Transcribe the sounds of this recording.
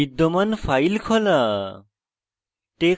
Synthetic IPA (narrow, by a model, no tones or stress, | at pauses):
id̪ːɔmanfʰajlkʰɔla | ʈe